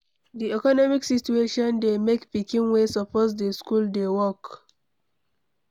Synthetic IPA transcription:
diɛkɔnɔmiksit͡ʃueʃɔ̃ndemekpikĩnwesɔpɔtsdeskuldewɔk

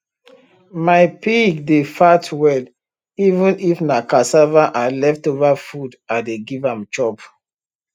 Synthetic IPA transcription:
maɪpiɡdefatʰwɛl | ivũnifnakasavaʔalɛftovafudadeɡivãmt͡ʃɔb

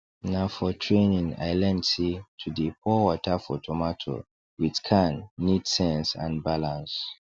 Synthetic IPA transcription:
nafɔtʰɹẽnĩŋa̰ɪlɛ̃nsitʰudipʰɔwɔtʰafɔtʰɔmatʰo̰ | witkʰãnːidsɛ̃nsã̰nbalãns

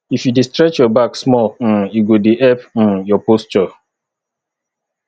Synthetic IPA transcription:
ifjudistɾɛt͡ʃjɔbaksmɔln̩iɡodeʔɛpn̩jɔpost͡ʃɔ

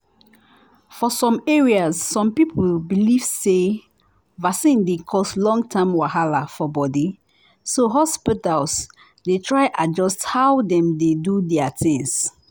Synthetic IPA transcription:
fɔsɔ̃meɹiasːɔ̃mpipʰulbiliv̥se | vasĩndekʰɔslɔ̃ŋɡtʰãmwaɦalafɔbɔdi | soɦɔspitals | detʰɹaɪʔad͡ʒɔsthawdɛ̃mdedudɛatʰĩŋs

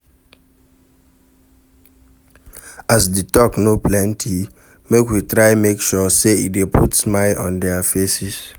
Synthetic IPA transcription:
asditɔknoplɛ̃ntʰi | mekwitɹajmekʃɔseiepʰutsmaɪʔɔ̰̃ndɛafesis

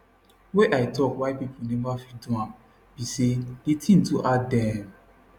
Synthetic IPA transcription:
weʔaitɔkwaɪpipʰunɛvafidũã | b̥iseditĩn̩tuʔadɛ̃

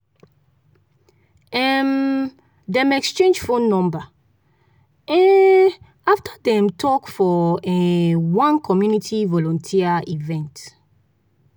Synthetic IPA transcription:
ɛm | dɛ̃mɛkst͡ʃẽnd͡ʒfõnːɔ̃mba | ɛ̃n | aftʰadɛ̃mtʰɔkfɔɛwãnkʰɔmjunitʰivɔlɔ̃ntʰiaivɛ̃nt

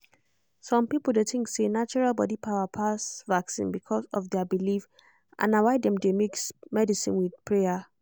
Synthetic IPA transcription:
sɔ̃mpipl̩ˠdetɪ̃ŋksenat͡ʃɔɹalˠbɔdipʰaʊapʰasvaksḭ̃nbikʰɔsɔfdɛabilif | ʔã̰nawaɪdɛ̃mdemiksmɛdisḭ̃nwidpʰɹɛa

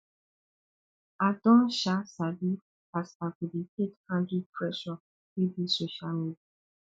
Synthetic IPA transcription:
adɔ̃ʃasabi | asaɡubiketkãndipɹɛʃɔ | ebisoʃalmeda

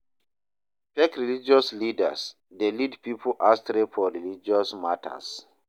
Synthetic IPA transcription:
pɛkɹilid͡ʒɔslidə̰s | delidpipʰoʔastɾefɔɹilid͡ʒɔsmatʰə̰s

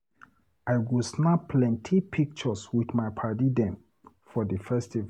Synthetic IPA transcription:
aɪɡɔsnapʰlɛ̃ntʰipʰik̚t͡ʃɔswiθmaɪpʰadidɛ̃m | fɔdəfɛstiv

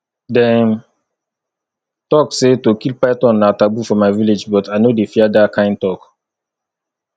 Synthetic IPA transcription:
dɛ̃n | tɔksetokilpajtɔ̃nːatabufɔmaɪviled͡ʒbɔtaɪnodefiadakʰãɪ̃n̚tɔk

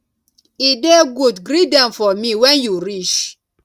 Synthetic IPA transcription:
ideɡudɡɾidãnfɔmĩwɛ̃njuɾit͡ʃ

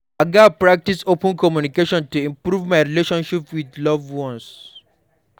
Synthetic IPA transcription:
aɡapɹak̚tisopə̃nkɔmjunikeʃɔ̃ntuĩmpɹuvmaɪɹileʃɔ̃nʃipwidlɔvwɔ̃ns

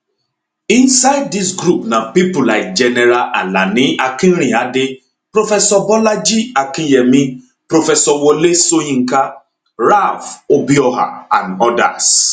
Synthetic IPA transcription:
insaɪd̚dis̬ɡɾupnapipʊlaɪk̚d͡ʒɛnɛɾaʔalanɪʔakin̩ɾ̃iadɪ | pɾofɛsɔbɔlad͡ʒiakɪjɛmi | pɾofɛsɔwolesoɲĩŋ̩ka | ɾavobiɔɦa̰anɔda̰s

